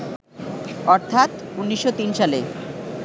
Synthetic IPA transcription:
ɔɾt̪ʰat̪unːiʃːot̪inʃale

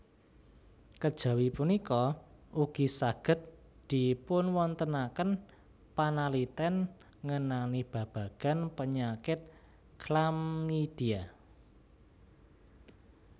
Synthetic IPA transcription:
kəd̥ʒ̥ä̤wipunikɔuɡ̥i̤saɡ̥ə̤t̪̚ | d̪̥i̤pʊnwɔnt̪ənakən | panalit̪ɛn | ŋənanib̥ä̤b̥ä̤ɡ̥a̤npəɲakɪt̪̚ | kʰlamːid̥ia

